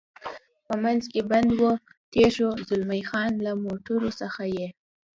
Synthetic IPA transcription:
pəmanzkeband̪wot̪eʃozʊlmajxɑnlamoʈuɾosəxaje

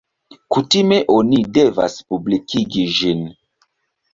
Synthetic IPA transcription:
kutimeʔonideva̰spublikʰiɡiʒin

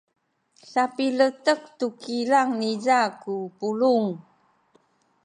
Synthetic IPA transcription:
sapilətək̚tukilaŋnizakupuluŋ

